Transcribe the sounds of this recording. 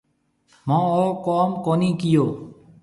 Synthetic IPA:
mɔ̃ɔkɔmkɔnikijo

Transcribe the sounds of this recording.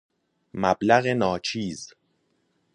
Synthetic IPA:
mæblæɣenɒːt͡ʃʰiːz

